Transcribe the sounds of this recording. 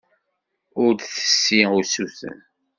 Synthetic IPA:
ʊɾθə̥sːiʊsuθə̰n

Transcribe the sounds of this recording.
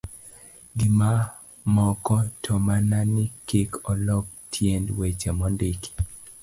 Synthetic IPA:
ɡima | mɔkɔtʰɔmananikikʰɔlɔk̚tʰjendwet͡ʃɛmɔndik

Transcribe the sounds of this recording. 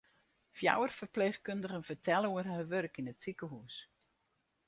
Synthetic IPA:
fja̰wərfərpleːxkøndəɣənfərtʰɛlˠuərɦəʋørkinətsikəɦuːs

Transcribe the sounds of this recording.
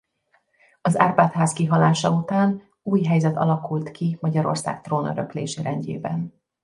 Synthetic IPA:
ɒza̰ːrbaːt̪haːskiɦɒlaːʃɒut̪aːn | uːjɦɛjzɛt̪ɒ̰lɒkult̪kimɒɟɒɾo̞̰rsa̰ːk̚t̪roːnøɾø̰klḛːʃeːɾɛɲɟḛːbɛn

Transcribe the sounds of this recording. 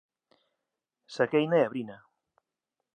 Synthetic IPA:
sakejnaaβɾina

